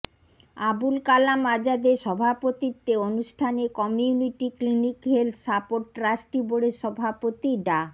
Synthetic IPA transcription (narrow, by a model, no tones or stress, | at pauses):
abulkalamad͡ʑad̪eʃɔbʱapot̪it̪ːeonuʃʈʰanekɔmijuniʈiklinikɦelt̪ʰsapoʈːɾasʈiboɽeʃɔbʱapot̪iɖa